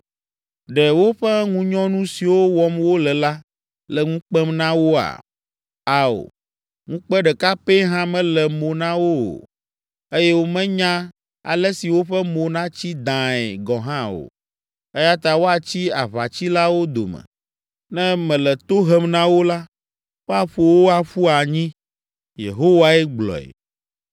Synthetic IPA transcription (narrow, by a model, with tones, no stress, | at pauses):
ɖɛ˨wo˦ɸɛ˦ŋũ˦ɲɔ̃˦nũ˦si˨wo˦wɔ˦mwo˦lɛ˨la˦ | lɛ˨ŋũ˦k͡pɛ˦mnã˦wo˦a̰˨ | a˨o̰˨ | ŋũ˦k͡pɛ˦ɖɛ˨ka˦pe˦ɦã˦mɛ̃˦lɛ˨mo˨nã˦wo˦o̰˨ | e˦jɛ˦wo˦mɛ̃˦ɲã˦ | a̰˨lɛ˦si˨wo˦ɸɛ˦mõ˨nã˦t͡ɕi˦d̪ã˨ɛ̰˨ɡɔ̃˨ɦã˦o̰˨ | e˦ja˦t̪a˨wo˦a˨t͡ɕi˦a̰˨βa˨t͡ɕi˦la˦wo˦d̪o̰˨mɛ̰̃˨ | nɛ̃˦mɛ̃˨lɛ˨t̪o˦ɦɛ˦mnã˦wo˦la˦ | wo˦a˦ɸo˨wo˦a˨ɸu˦a˨ɲĩ˦ | jḛ˨ɦo˦wa˦ɛ˦ɡ͡blɔ̰˨ɛ̰˨